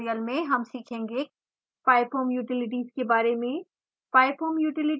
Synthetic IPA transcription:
ijəlmẽɦɐmsiːkʰẽːŋɡe | paːɪpʰoːmjuːʈɪlɪʈ̬iːzkebaːɾemẽ | paːɪpʰoːmjuːʈɪlɪʈ

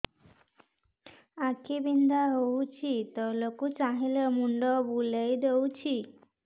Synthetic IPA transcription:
akʰibind̪ʱaɦowt͡ʃʰit̪ɔlokut͡ʃaɦilemuɳɖɔbulejd̪ewt͡ʃʰi

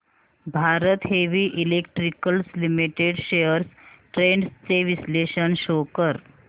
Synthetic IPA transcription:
bʱaɾət̪ɦeʋiːʔilekʈɾikəlslimiʈeɽɕejəɾsʈɾeɳɖst͡seʋisleɕənɕokəɾ

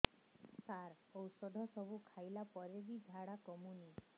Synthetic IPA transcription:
saɾ | ɔwsɔd̪ʱɔsɔbʱukʰajlapɔɾebid͡ʒʱaɽakɔmuni

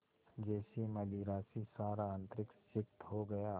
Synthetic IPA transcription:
d͡ʒɛːsimɐliːɾaːsisaːɾaãnt̪ɾɪksɪk̚t̪ɦoɡɐjaː

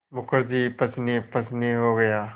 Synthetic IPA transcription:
mʊkəɾd͡ʒipɐt͡ʃnipɐt͡ʃniɦoɡɐjaː

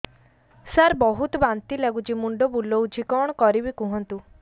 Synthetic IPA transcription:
saɾbɔɦut̪ɔbant̪ilaɡud͡ʒimuɳɖɔbulɔwd͡ʒʰʱikɔɽ̃ɔkɔɾibikũɦɔnt̪u

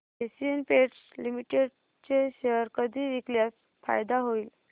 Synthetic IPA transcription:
esienpeʈslimiʈeɽ | t͡ɕeɕəəɾkəd̪ʱiːʋikljas | fa̰jd̪aɦoiːl

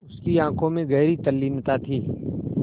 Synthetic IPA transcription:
ʊskiãːkʰõmẽɣɛːɾit̪ɐlːiːmt̪at̪ʰiː

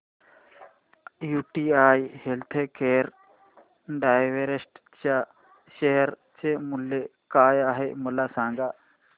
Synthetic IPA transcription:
juːʈiːaːjhelt̪ʰekeːɾ | ɖaːjʋeɾesʈ | t͡ʃa | ʃeɦɐɾ | t͡ʃemulːekaːjaːɦemulasaːŋɡa

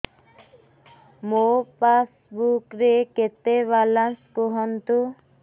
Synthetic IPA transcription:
mopas | bukɾeket̪eβalanskoɦɔnt̪u

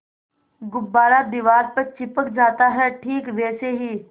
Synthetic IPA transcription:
ɡʊbːaːɾad̪ɪʋaːɾpɐɾt͡ʃɪpəkd͡ʒaːt̪aɦɛʈʰiːkʋɛːseɦiː

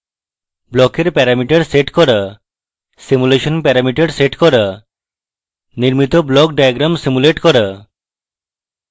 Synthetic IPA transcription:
blɔkeɾpɛɾamiʈaɽseʈkɔɾa | simuleʃonpɛɾamiʈaɽseʈkɔɾa | niɾmit̪oblɔk̚ɖajaɡɾamsimuleʈkɔɾa

